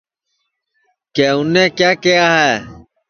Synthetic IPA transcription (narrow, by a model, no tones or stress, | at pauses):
keːʊnːẽːkjaːkɪjaːɦɛː